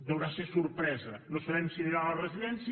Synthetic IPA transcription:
d̪əwɾasesuɾpɾɛzənosaβɛmsiniɾalərəziðɛns

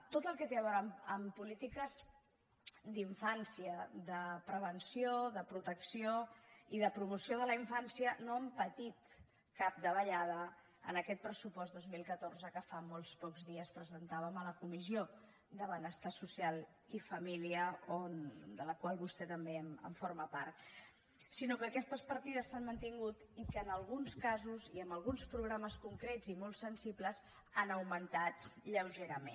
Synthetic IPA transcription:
t̪ot̪əlˠkɛt̪eəβɔɾəməmpulit̪ikəz | d̪iɱfansiəðəpɾəβənsioðəpɾut̪əksioiðəpɾumusioð̞ələiɱfansiənoəmpət̪it̪ | kap̚d̪əβəʎað̞ə | ə̰nəkɛt̪̚pɾəsupɔzt̪d̪ozmilˠkət̪orzəkəfamolˠspɔkzðiəspɾəzənt̪aβəmələkumizio | d̪əβənəst̪asusialˠ | ifəmiliəond̪ələkwalˠβust̪ɛt̪əmbeəmə̰ɱfoɾməpaɾt̪ | sinokəːkɛst̪əspəɾt̪iðəsːanmənt̪iŋɡut̪ikəːnəlˠɣ̞unskazuziəmbəlˠɣunspɾuɣɾaməskuŋkɾɛdzimolˠsənsipləz | anəwmənt̪at̪ʎəwʒeɾəme

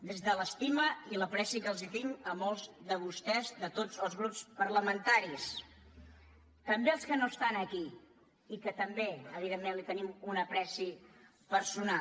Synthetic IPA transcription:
d̪ezðələst̪iməiləpɾɛsikəlˠzit̪iməmolˠzðəβ̞ust̪ɛzðət̪od͡zəlˠzɣɾupspəɾləmənt̪aɾis | t̪əmbeəlˠskənost̪anəki | ikət̪əmbeəβiðemːenlit̪ənimunəpɾɛsi | pəɾsuna

